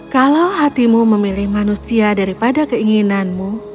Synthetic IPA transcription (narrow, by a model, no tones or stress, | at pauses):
kalawɦat̪imuməmilɪhmanusiadaɾipadakəiŋinanmu